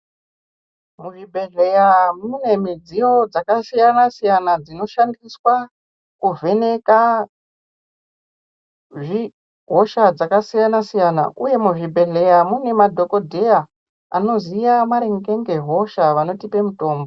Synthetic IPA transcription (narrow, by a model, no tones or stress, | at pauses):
muʐibʱe̞ɮe̞jamune̞mid͡zijo̞d͡zakasijanasijanad͡zino̞ʃandiswa | kuve̞ne̞ka | ʐi | ɦo̞ʃad͡zakasijanasijana̰ʔuje̞muʐibʱe̞ɮe̞jamune̞madʱo̞ko̞dʱeja | a̰no̞zijamaɾeŋɡe̞ŋɡe̞ɦo̞ʃaʋano̞tipe̞muto̞ːmbo̞